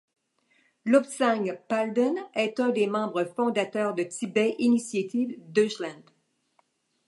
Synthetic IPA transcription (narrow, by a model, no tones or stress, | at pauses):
lɔpsaŋpald̪ənɛt̪œ̃d̪emɑ̃bʁəfɔ̃d̪at̪œːʁd̪ət̪ʰibɛʔinisjat̪ivd̪øʃlãnd̪